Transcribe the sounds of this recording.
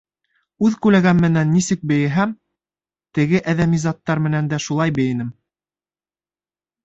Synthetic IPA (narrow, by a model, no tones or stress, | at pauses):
ʉðkʉlæɡæmmɘ̆nænːisɘk̚bɘ̆jɘ̆ɦæm | t̪ɘ̆ɡɘʔæðæmizɑt̪ːɑɾmɘ̆nænd̪æʃulˠɑjbɘ̆jɘ̆nɘm